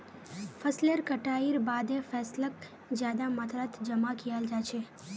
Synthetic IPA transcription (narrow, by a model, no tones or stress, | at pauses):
fʰəsleɾkəʈaːiɾbaːd̪efɛːslək | zjaːd̪amət̪ʰɾət̪d͡ʒəmakijaːld͡ʒaːt͡ʃʰeː